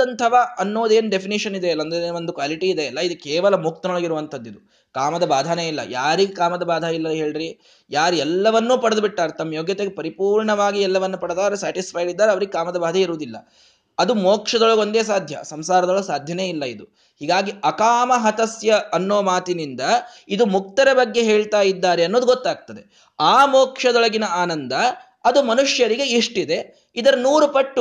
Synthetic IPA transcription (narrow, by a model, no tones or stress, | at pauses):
ɐnt̪ʰɐʋaɐnːoːd̪eːnɖepʰiniʃɐnid̪eɐlːɐnd̪eond̪ukʋaːliʈiːd̪eɐlːɐid̪ukɛːʋɐlɐmuk̚t̪ɐnɐɭɐɡiɾuʋɐnt̪ʰɐd̪ːid̪u | kaːmɐd̪ɐbaːd̪ʱaneːilːɐ̰jaːɾiɡekaːmɐd̪ɐbaːd̪ʱɐilːɐɦe̞ːɭɾi | jaːɾɛlːɐʋɐnːuːpɐɽɐd̪biʈːaːɾet̪ɐmːɐjoːɡjɐt̪eɡepɐɾipuːɾɳɐʋaːɡiɛlːɐʋɐnːupɐɽd̪aːɾesaːʈispʰɐjɖid̪ːaːɾeɐʋɐɾiɡekaːmɐd̪ɐbaːd̪ʱɐiɾuʋud̪ilːɐ̰ | ɐd̪umoːkʂɐd̪ɔɭɐɡo̞nd̪e̞ːs̬aːd̪ʱjɐ̰sɐmsaːɾɐd̪ɔɭsaːd̪ʱjɐne̞ːilːɐid̪u | hiːɡaːɡiʔɐkaːmɐɦɐt̪ɐsjɐɐnːoːmaːt̪inind̪ɐid̪umuk̚t̪ɐɾɐbɐɡːe̞ɦeːɭt̪aːjid̪ːaːɾeɐnːoːd̪uɡot̪ːaːɡ̚t̪ɐd̪e | aːmoɔːkʂɐd̪ɔɭɐɡinɐaːnɐnd̪ɐ | ɐd̪umɐnuʂjɐɾiɡe̞iʂʈid̪e̞ | id̪ɐɾɐnuːɾupɐʈːu